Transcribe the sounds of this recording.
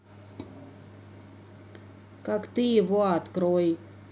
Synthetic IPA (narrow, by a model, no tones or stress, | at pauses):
kakt̪iːvoat̪kɾoj